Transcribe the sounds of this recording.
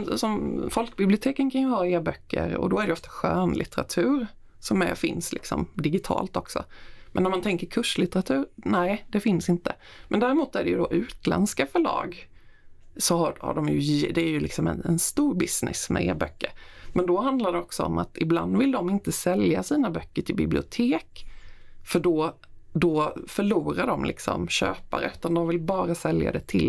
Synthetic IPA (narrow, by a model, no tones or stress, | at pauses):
sɔmfɔlkbɪblɪʊt̪ʰeːkənkʰanjɵhɑːeːbœkʰːə̰ɾɔ̰d̪ɔæɾɖɛjɔft̪ḁɧøːnlʔɪt̪ɛɾa̰t̪ʰʉ̟ːɾ | sɔmæ̰fɪnslɪ̰ksɔ̰md̪ɪɡɪt̪ʰɑ̰ːlt̪ɔksɔ̰mɛ̰nːæmant̪ʰɛŋkəɾkʰɵʂlɪt̪əɾat̪ʰʉ̟ːɾnɛd̪ɛfɪnsɪnt̪ə | mɛnd̪æːɾɪmuːt̪æɖɛjɵ̰d̪ɔʔʉ̟ːt̪lɛ̰nskafœɭɑ̰ːɡ | sɔhaha̰ɖɔmjɵd̪ɛæɾjɵlɪksɔmɛ̰nɛnst̪uːɾbɪsnɪ̰smɛ̰ḛːɾbœkːəɾmɛnd̪ɔɦand̪laɖɛɔksɔɔ̰mʔat̪ɪbla̰nd̪vɪld̪ɔmɪnt̪əsɛljasiːnabœkːəʈʰɪlbɪblɪ̰ʊt̪ʰeːk | fœɖɔ | d̪ɔfœɭuːɾaɖɔmlʔɪ̰ksɔ̰mɕø̰ːpa̰ɾəʉːt̪and̪ɔmvɪlbɑːɾasɛlja̰d̪ɛt̪ʰɪl